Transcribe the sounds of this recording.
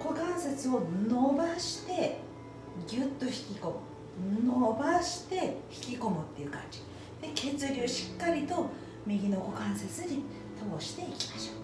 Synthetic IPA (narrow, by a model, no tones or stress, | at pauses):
ko̞kãɰ̃set͡sɨo̞no̞baɕi̥t̪e̞ | ɡʲɨt̪ːo̞çi̥kʲiko̞mɯ | nobaɕi̥t̪e̞çi̥kʲiko̞mɯ̟t̪ːe̞iɯ̟kã̰ɲ̟d͡ʑi̥ | d̪̥e̞ke̞t͡sɨɾʲɯːɕi̥kːaɾʲit̪o̞ | mʲiɡʲino̞ko̞kãɰ̃set͡sɨɲi | t̪obo̞ɕi̥t̪e̞ikʲi̥maɕo̥ː